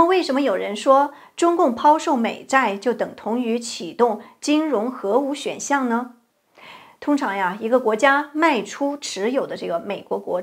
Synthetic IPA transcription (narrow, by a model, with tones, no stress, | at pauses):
we˥˩ɪʂə˧˥nmə˧jo˨˩ʊɻə˧˥nʂwɔ˥ | ʈ͡ʂʊ˥ŋkʊ˥˩ŋpʰɑ˥ʊʂo˥˩ʊme˨˩ɪt͡sa˥˧ɪt͡ɕjo˥˩ʊt̪ɤ˨˩ŋt̪ʰʊ˧˥ŋy˧˥t͡ɕʰi˨˩t̪ʊ˥˩ŋt͡ɕi˥ŋɻʊ˧˥ŋxɤ˧˥u˧˥ɕɥɛ̰˨˩nɕjɑ˥˩ŋnə˧ | t̪ʰʊ˥ŋʈ͡ʂʰɑ˧˥ŋja˥˧i˧˥ɡə˧kwɔ˧˥t͡ɕja˥ma˥˩ɪʈ͡ʂʰu˥ʈ͡ʂʰɻ̩˧˥jo˨˩ʊd̪ə˦ʈ͡ʂɤ˥˩ɡə˩me˨˩ɪkwɔ˧˥kwɔ̰˧˥